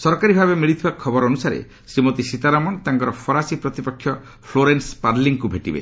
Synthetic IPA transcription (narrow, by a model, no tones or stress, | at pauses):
sɔɾɔkaɾibʱabemiɭit̪ʰibakʰɔbɔɾɔnusaɾḛ | sɾimot̪isit̪aɾamɔnt̪aŋkɔɾɔpʰɔɾasipɾɔt̪ipɔkʰːjɔ | pʰloɾenspaɾliŋkubʱeʈibḛ